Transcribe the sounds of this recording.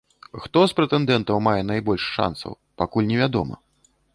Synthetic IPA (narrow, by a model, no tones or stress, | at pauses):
xt̪ɔspɾɛt̪ɛnd̪ɛnt̪ɐwmajɛnajbɔlʲʂʂa̰nsɐ̰w | pakulʲnʲɛvʲad̪ɔ̰mɐ̰